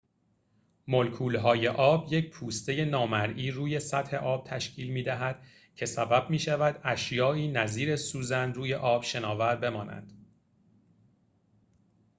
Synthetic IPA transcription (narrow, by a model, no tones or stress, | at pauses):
molkʰuːlɦɒːje̞ʔɒːbjec̚pʰuːst̪e̞je̞nɒːmæɾʔiːɾuːje̞sæt̪he̞ʔɒːb̥̚t̪ʰæʃcʰiːlmiːd̪æɦæd̪̥ | cʰe̞sæbæb̚miːʃævæd̪æʃjɒːiːnæziːɾesuːzænruːje̞ʔɒːb̥ʃe̞nɒːvæɾbe̞mɒːnæ̰nd̪̥